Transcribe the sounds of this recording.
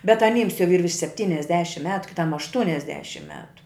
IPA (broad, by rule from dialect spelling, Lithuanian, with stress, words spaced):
bʲɛt ɐˈnʲiːms jɛʊ iːr ʋʲɪrʃ sʲɛpʲˈtʲiːnʲɛzʲdʲɛʃʲɪm ˈmʲæːtʊ kʲɪˈtɐm ɐʃˈtʊnʲɛzʲdʲɛʃʲɪm ˈmʲæːtʊ